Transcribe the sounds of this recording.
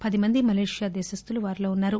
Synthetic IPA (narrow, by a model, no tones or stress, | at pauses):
pɐd̪imɐnd̪imɐleːʂjaːd̪ɛːʃɐst̪uluʋaːɾilo̞ːunːaːɾu